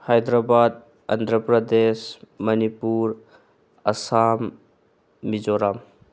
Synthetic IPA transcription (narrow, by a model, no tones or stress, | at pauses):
hajd̪ɾabad̪̚ | ɐ̰nd̪ʱɾəpɾɐd̪esmɐnipuɾ | ɐsamː | id͡ʒoɾam